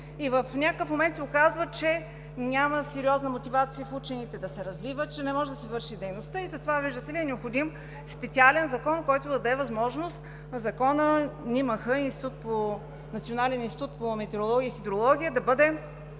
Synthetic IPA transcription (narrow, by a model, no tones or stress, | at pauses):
ivəfnʲakəkəfmomɛnt̪sɛokazvət͡ʃɛ | nʲaməsɛɾiɔznəmot̪ivat̪sijəfut͡ʃɛnit̪ɛd̪ɐsɛɾɐzvivət̪t͡ʃɛnɛmɔʒɛd̪ɐsɛvɤɾʃid̪ɛjnost̪əizɐt̪ovaviʒd̪ət̪ɛliɛnɛopxod̪im | spɛt̪sialɛnzɐkɔnkɔjt̪ʊd̪ɐd̪ɐɛvɐzmɔʒnost̪ | zɐkɔnəniməxəinst̪it̪ut̪̚po | nɐt̪sionalɛninst̪it̪ut̪pomɛt̪ɛɾolˠɔɡʲiəixid̪ɾolˠɔɡʲijəd̪ɐbɤd̪ɛ